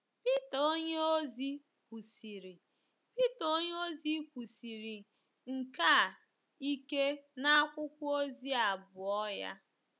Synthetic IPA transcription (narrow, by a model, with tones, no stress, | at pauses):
pi˦ta˨o˦ɲe˦o˦zi˦ | kʷu˨si˨ɾi˨ | pi˦to˦ɲe˦o˦zi˦kʷu˨si˨ɾi˨ | ŋ̩˨ka˦˨ | i˦ke˦na˦a˦kʷʊ˦kʷʊ˦o˦zi˦a˨bʊ˨ɔ˦ja̰˦